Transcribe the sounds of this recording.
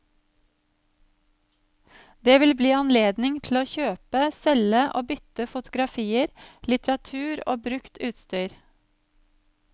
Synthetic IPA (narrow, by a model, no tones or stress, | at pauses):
d̪eːʋɪlbliːɑnleːd̪nɪŋt̪ʰl̩oːçøːpəsɛləʔoːbʏt̪əfʊt̪ʊɡɾɑfiːəɾlɪt̪ɾɑt̪ʰʉːɾo̰ːbɾʉkt̪ʉːt̪st̪yːɾ